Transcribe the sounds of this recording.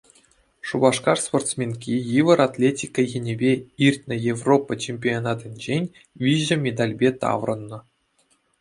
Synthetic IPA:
ʂubɑʂkɑrsport̪smʲenkʲijɯʋɤ̆ɾat̪ʲlʲetʲikːəjenʲebʲeirʲtʲnʲɘ̆jevropːɤt͡ɕemʲpʲionɑd̪ɘ̆nʲd͡ʑenʲ | ʋʲiʑɘ̆mʲed̪ɑlʲbʲet̪ɑ̰ʋrɤ̆nːɤ̆

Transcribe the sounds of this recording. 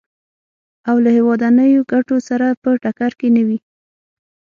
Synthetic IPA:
awlahewɑd̪anəjoɡaʈosaɾapəʈakaɾkenawi

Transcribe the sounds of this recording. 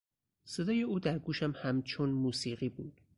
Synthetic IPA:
se̞d̪ɒːje̞uːd̪æɾɡuːʃæmhæmt͡ʃʰonmuːsiːɢiːbuːd̪̥

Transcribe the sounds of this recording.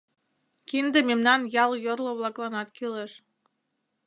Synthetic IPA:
kind̪ememnɑnjɑljorlŏβlɑklˠɑnɑt̪kyleʃ

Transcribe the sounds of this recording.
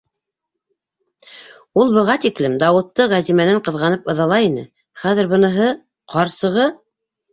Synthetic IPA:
ulˠbɤ̆ʁɑt̪iklɘmd̪ɑwɤ̆t̪ːɤʁæzimænæɴqɤ̆ðʁɑnɤpɤ̆ðɑlˠɑinɘ̰ | χæðɘ̆ɾbɤ̆nɤ̆ɦɤ | qɑɾsɤ̆ʁɤ

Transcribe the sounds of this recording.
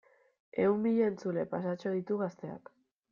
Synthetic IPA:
e̞̰umbiʎeːnt͡sule̞pasat͡ʃo̞ðit̪uɣast̪e̞a̰k

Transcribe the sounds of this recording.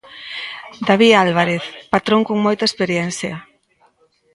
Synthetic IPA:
d̪aβialβ̞aɾeθpat̪ɾõŋkoŋmojt̪aespeɾjɛnθja

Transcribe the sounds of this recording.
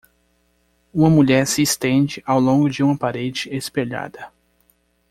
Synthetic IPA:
ũmɐmuʎɛɾsɪːst̪ẽd͡ʒɪʔawlõŋɡʊd͡ʒɪũmɐpaɾed͡ʒɪespeʎa̰d̪ɐ

